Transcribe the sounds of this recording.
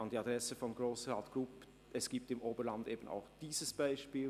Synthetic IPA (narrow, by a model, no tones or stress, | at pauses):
ɑndiɑd̥ʁɛsəfɔnɡroːsʁaːtɡ̥rʊp | ɛsɡ̥iːp̚tɪmʔoːbəɾlɑndeːbəna̰ʊxd̥iːzəsb̥aɪʃpiːl